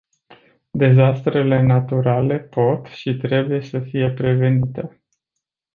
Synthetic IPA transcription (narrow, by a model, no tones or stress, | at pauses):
d̪e̞zast̪ɾe̞le̞nat̪uɾale̞po̞t̪ʃit̪ɾe̞buje̞səfije̞pɾe̞ve̞nit̪e̞